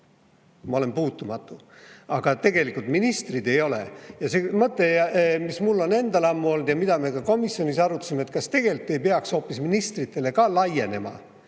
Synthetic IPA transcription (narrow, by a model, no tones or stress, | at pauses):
mɑo̞le̞mpuːt̪ːˑumɑt̪ːˑu | ɑɡ̥ɑt̪e̞ɡe̞likult̪minist̪rid̪e̞jo̞le̞̰jɑsemɤt̪ːˑe̞mismulːo̞ne̞nd̪ɑlɑmːuo̞ld̪̥jɑmid̪̥ɑme̞kɑko̞misjo̞nisɑɾut̪ːɑ̥simet̪ˑkɑst̪e̞ɡ̥e̞lit̪ˑːe̞jpeɑkso̞ːpːˑisminist̪rit̪ːˑe̞le̞kɑlɑje̞ne̞mɑ̰